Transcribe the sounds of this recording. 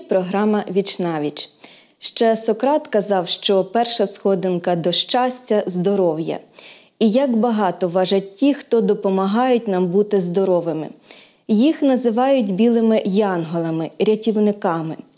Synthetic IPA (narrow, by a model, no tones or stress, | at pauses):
pɾɔɦɾɑmɐʋʲit͡ʃnɑʋʲit͡ʃ | ʃt͡ʃɛsɔkɾɑt̪kɐzɑwʃt͡ʃɔpɛrʃɐsxɔd̪ɪnkɐd̪ɔʃt͡ʃɑsʲtʲɐzd̪ɔɾɔwjɐ̰ | ijɐkbɐɦɑt̪ɔʋɑʒɐtʲtʲːixt̪ɔd̪ɔpɔmɐɦɑjʊt̚ʲnɑmbut̪ɪzd̪ɔɾɔʋɪmɪ̰ | jixnɐzɪʋɑjʊtʲbʲilˠɪmɪjɑnɦɔlˠɐmɪɾʲɐtʲiwnɪkɑmɪ